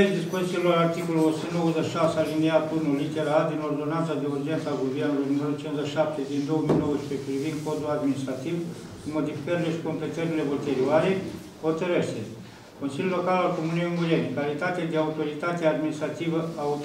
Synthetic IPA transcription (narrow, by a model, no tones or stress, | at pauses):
eɾed̪ispo̞zit̪silo̞ɾart̪iko̞lulosund̪ozəʃʃasealiniat̪unulit̪eɾaad̪ino̞rd̪o̞nant̪sad̪e̞urd͡ʒet̪səaɡuvernulujnumeɾot͡ʃinzəʃʃap̚t̪e̞d̪ind̪o̞womijnowəzpepɾivind̪̚ko̞d̪ulad̪minist̪ɾat̪iv | ɨnmo̞d̪ifi̥kəɾile̞ʃi̥ko̞mpe̞t̪əɾile̞volt̪eɾioaɾe | ho̞t̪əɾeʃt̪e | ko̞nsilʲjulo̞kalalko̞munejuŋɡujenkalit̪at̪ed̪eaut̪o̞ɾit̪at̪eaːd̪minist̪ɾat̪ivəaut̪